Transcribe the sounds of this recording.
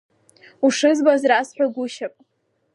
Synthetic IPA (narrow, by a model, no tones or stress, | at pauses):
uʂɨzbazrasħʷᶣaɡʷʊʃapʼ